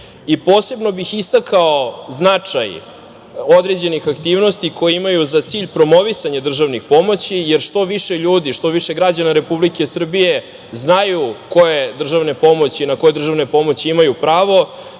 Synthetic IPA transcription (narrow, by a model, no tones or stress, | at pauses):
ipo̞ːse̞bno̞bixist̪akaoznat͡ʂaj | od̪ɾe̞d͡ʑe̞nixakt̪iːʋno̞st̪iko̞jeimajuzat̪siːʎpɾo̞mo̞ʋisaɲad̪r̩ʒaʋnixpo̞mo̞t͡ɕijeɾʂt̪o̞ʋiʃe̞ʎuːd̪iʃt̪o̞ʋiʃe̞ɡɾad͡ʑanaɾe̞publike̞sr̩bije̞ | znajuko̞jed̪r̩ʒaʋne̞po̞mo̞t͡ɕinako̞jed̪r̩ʒaʋne̞po̞mo̞t͡ɕiimajupɾaːʋo̞